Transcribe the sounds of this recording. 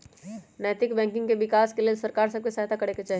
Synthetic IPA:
nɛjt̪ɪkbɛ̃ːŋkɪ̃ŋɡkeʋɪkaːskeliesɐɾkaːɾsɐb̚kesaɦt̪akɐɽeket͡ʃaːɦi

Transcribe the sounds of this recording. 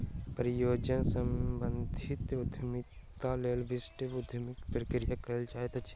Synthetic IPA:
pɾijoːd͡ʒənsə̃mbənd̪ʱit̪ɾʊd̪ʱmit̪aleːlbisʈeʊd̪ʱəmikpɾəkɾijakəɦlt͡ʃaet̪t͡ʃʰi̥

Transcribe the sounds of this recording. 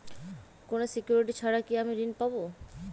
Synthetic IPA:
konosikjuɾiʈit͡ɕʰaɾakiamiɾinpabo

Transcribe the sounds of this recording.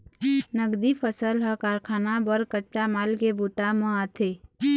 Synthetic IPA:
nəɡd̪ipʰəsəlɦəkaːɾkʰaːnabəɾkət͡ʃamaːlkebut̪amə̃at̪ʰe

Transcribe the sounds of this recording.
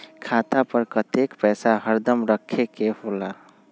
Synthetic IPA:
kʰaːt̪apəɾkət̪ekpɛːsaɦəɾd̪əmɾəkʰːekehola

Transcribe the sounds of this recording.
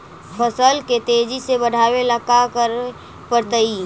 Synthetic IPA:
pʰəsəlket̪ed͡ʒisebəɽʱaːweləkakəɾ | pəɾt̪əi

